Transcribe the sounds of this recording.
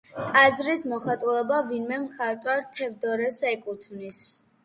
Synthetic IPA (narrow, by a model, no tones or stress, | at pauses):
kʼad̪zɾismɔχat̪ʼulɛbavinmɛmχaɾt̪ʼwaɾt̪ʰɛvd̪ɔɾɛsɛkʼut̪ʰvnis